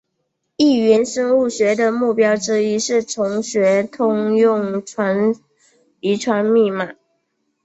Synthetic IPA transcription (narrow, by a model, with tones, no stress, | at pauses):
i˥˩ɥɛ˧˥nʂə˥ŋu˥˩ɕɥɛ˧˥d̪ə˨mu˥˩pjɑ˥ʊʈ͡ʂɻ̩˥i˥ʂɻ̩˥˩ʈ͡ʂʰʊ˧˥ŋɕɥɛ˧˥t̪ʰʊ˥ŋjʊ˥˩ŋʰwa˧˥n | i˧˥ʈ͡ʂʰwa˧˥nmi˥˩ma˨˩˦